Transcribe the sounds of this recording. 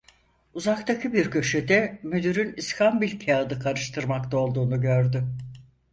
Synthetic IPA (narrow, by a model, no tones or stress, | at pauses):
uzakt̪ʰacʰɯbiɾcʰø̞ʃed̪ɛmød̪yɾyniskʰambilʲcʰead̪ɯkʰaɾɯʃt̪ʰɯɾmakt̪ʰao̞lˠd̪uːnuɟøɾd̪ʏ